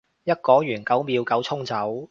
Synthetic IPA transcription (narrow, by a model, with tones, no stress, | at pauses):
jɐ˥t̚kɔː˨˥jyː˨˩nkɐ˨˥wmiː˨˧wkɐ˨˥wt͡sʰʊ˥ŋt͡sɐ˨˥w